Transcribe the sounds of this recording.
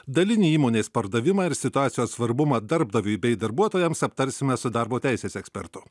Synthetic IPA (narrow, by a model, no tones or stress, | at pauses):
d̪ɐlʲɪnʲiːiːmoːnʲeːspɐɾd̪ɐʋʲɪmɑːɪɾsʲɪt̪ʊɑːt̪sʲɪjoːssʋɐɾbʊmɑːd̪ɐɾbd̪ɐʋʲʊjbʲɛɪd̪ɐɾbuɔt̪oːjɛmsɐp̚t̪ɐɾʲsʲɪmʲɛsʊd̪ɑɾboːt̪ʲæˑɪsʲeːsɛksʲpʲɛ̰ɾt̪ʊ̥